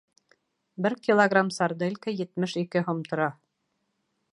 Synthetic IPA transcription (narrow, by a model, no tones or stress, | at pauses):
bɘɾkʲilˠoɡramsaɾd̪ɤlʲkɘjɘ̆t̪mɘʃikɘɦŏmt̪ŏɾɑ